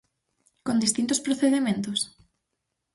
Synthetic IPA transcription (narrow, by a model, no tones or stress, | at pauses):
kõnd̪ist̪int̪ospɾoθeðemẽnt̪ʊs